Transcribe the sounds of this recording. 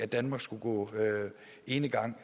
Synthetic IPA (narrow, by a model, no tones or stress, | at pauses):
æd̥ænmɑ̈ːɡ̥sɡ̥uɡ̥ɔ̰̽ː | e̝nəɡ̥ɑ̈ŋ̰